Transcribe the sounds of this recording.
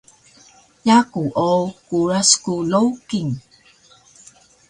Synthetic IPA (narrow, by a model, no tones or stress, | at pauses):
jakuʔokuɾaskulowkiŋ